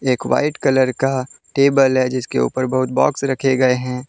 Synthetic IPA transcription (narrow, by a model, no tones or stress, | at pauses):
eːkʋa̰ːɪʈkɐləɾkaʈeːbəlɦɛd͡ʒɪskḛṵːpəɾbɐɦʊt̪bɔ̰ːksɾɐkʰeɡɐeɦɛ̃ː